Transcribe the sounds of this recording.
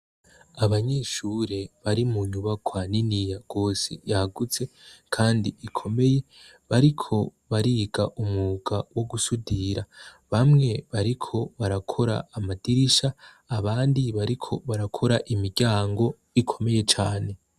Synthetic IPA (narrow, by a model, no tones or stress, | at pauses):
aβaɲeːʃuːɾe̞βaɾimuɲuβakwaːninijaɡ̥o̞ːsḛjaaɡut͡se̞kʰaːndiikʰo̞me̞je̞ | βaɾikʰo̞ | βaɾiːɡaʔumuɡ̥awo̞ɡusudiɾa | βamŋe̞βaɾikʰo̞βaɾakʰo̞ɾa̰ːmadiɾiʃaː | βaːndiβaɾikʰo̞βaɾakʰo̞ɾaʔimiɡɟaːŋɡo̞ | ikʰo̞me̞je̞t͡ʃaːne̞